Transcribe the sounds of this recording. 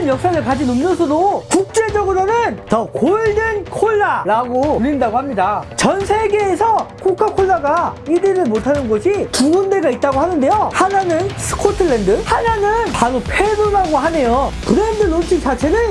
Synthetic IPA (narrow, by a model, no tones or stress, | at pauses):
njʌk̚s͈aɾɯɭkad͡ʑinumɲʌsʰʌdokuk̚t͡ɕ͈e̞d͡ʑʌɡɯɾonɯntʌkoɭdɯnkʰoɭːaɾaɡoɾindaɡohamɲidat͡ɕʌnsʰe̞ɡe̞ːsʰʌkʰokʰakʰoɭːaɡaidɯɾɯɭmotʰanɯnɡʌɕʰituɡunde̞ɡait̚t͈aɡoɦanɯnde̞johananɯnsʰɯ̥kʰotʰɯɭːendɯhananɯnpaɾopʰe̞doɾaɡoɦane̞jokɯɾendɯlont͡ɕʰik̚t͡ɕ͈at͡ɕʰe̞nɯn